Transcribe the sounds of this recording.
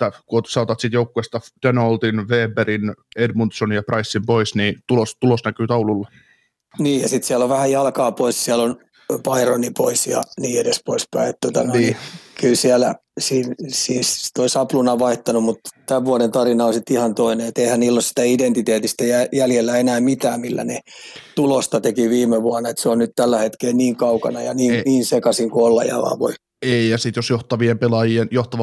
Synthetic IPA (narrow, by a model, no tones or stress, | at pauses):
t̪ːækuot̪sɑˑot̪ɑt̪sit̪joukːuest̪ɑd̪̥enolt̪inʋeːberinedmunt̪sonjɑprɑisːimpoisniːt̪ulost̪ulosnækyːt̪ɑululːɑ | niːjjɑsit̪siælːoʋʋæhæjɑlkɑːpoissiælon | pɑironipoisjɑ̰niːedespoispæ̰iet̪t̪ot̪ɑnoinikylsiælæ | siːnsiːst̪oisɑplunɑʋɑiht̪ɑnumut̪t̪æʋʋuɑnent̪ɑrinɑonsit̪ihɑnt̪oineet̪eihænniːlːosi̥t̪æident̪it̪eːt̪ist̪æjæjæljelːæenæːmit̪æːmmilːæ̰net̪ulost̪ɑt̪ekiʋiːmeʋuɑnːɑet̪seonnyt̪t̪ælːæhet̪keːnniːŋkɑukɑnɑjɑniːŋniːnsekɑsiŋkuolːɑ̰jɑ̰ʋɑ̰ːʋo̰i | eijɑsit̪josjoht̪ɑʋiempelɑjienjoht̪ɑʋ